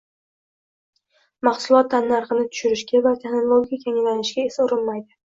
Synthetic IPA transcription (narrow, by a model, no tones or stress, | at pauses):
mɑχsʊlˠɒt̪ʰːanːaɾqɨnɪt̪ʰʊ̥ʃʊɾɪʃɡʲavat̪ʰe̞χno̞lˠoɡʲikʲʰaŋlanɪʃɡʲaesaʊɾɪnmajd̪ɪ